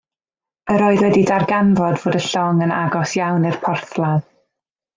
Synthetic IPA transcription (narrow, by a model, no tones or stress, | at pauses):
əɾoːɨðwɛdidarɡanvɔdvoːdəɬɔŋəna̰ɡɔsjawnirpʰɔrθlˠað